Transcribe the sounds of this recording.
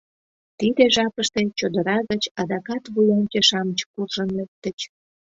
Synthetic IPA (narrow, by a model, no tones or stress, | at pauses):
t̪id̪eʒɑpəʃt̪et͡ɕod̪əɾɑɣət͡ɕɑd̪ɑkɑt̪βujɑnʲt͡ɕeʃɑmət͡ɕkurʒənlek̚t̪ət͡ɕ